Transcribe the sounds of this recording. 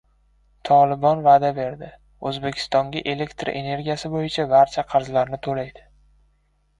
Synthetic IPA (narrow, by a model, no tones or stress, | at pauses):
t̪ʰɒlˠɪbɒnvad̪abe̞ɾd̪ɪ | ɵzbe̞kʲʰɪ̥st̪ɒŋɡʲaʔele̞kʲt̪ɾa̰ʔene̞ɾɡʲijasɪbojɪt͡ʃʰabaɾt͡ʃʰaqʰɑɾzlaɾnɪt̪ʰolajd̪̥ɪ